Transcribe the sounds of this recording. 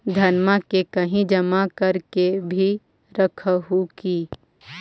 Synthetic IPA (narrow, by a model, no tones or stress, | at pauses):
d̪ʱɐnmakekɐɦĩd͡ʒɐmakɐɾkebʱi | ɾəkʰɦukiː